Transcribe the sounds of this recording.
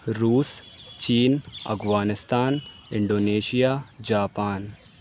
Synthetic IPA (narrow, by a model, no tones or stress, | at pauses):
ɾuːst͡ʃiːnɐ̰ɡʋaːnɪst̪aːnɪɳɖoːneːʃijaːd͡ʒaːpaːn